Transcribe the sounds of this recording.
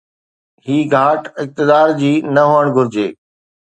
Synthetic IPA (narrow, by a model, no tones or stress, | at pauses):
hiːɡʱaːʈɪk̚t̪ɪd̪aːɾd͡ʑiːnɐɦoːəɽ̃ɡʱʊɾɪd͡ʑeː